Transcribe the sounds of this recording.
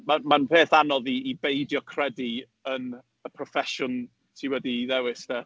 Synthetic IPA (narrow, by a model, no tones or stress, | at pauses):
mamanpʰeːθanɔðiːbejdjɔkʰr̥ɛdi | ən | əpʰrɔfɛʃʊn | tʰiwɛdiðɛwɪsd̥ɛ